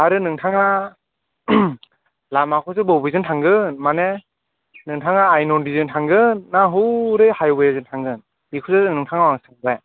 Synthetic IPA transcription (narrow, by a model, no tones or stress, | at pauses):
aɾɯnɯŋtʰaŋa | lamakʰɔzɯbɔwbɯjzɯntʰaŋɡɯnmane | nɯŋtʰaŋaːjnɔndizɯntʰaŋɡɯnːaɦɯɾɯhajbɯjazɯntʰaŋɡɯn | bikʰuzazɯnɯŋtʰaŋawaŋsɯŋbaj